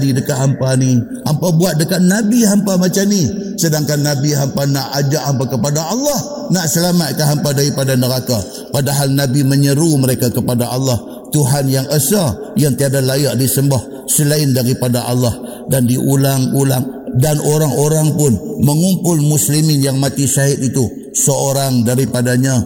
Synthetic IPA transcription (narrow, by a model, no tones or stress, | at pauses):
didəkaʔɦampani | ampabuat̪̚dəkat̪̚nabiɦampamat͡ʃamnisədaŋkanːabiɦampanaʔad͡ʒaʔhampakəpadaʔɑlːɑh | naʔsəlamat̪̚kaɦampadaɾipadanəɾaka | padaɦalnabiməɲəɾuməɾekakəpadaʔɑlːɑh | t̪uɦanjaŋəsajaŋt̪iadalajaʔdisəmbah | səlaɪndaɾipadaʔa̰lːah | dandiʔulaŋulaŋ | danʔoɾaŋoɾaŋpʊnməŋumpʊlmuslimɪnjaŋmat̪isaɦɪt̪̚it̪u | səoɾaŋdaɾipadaɲa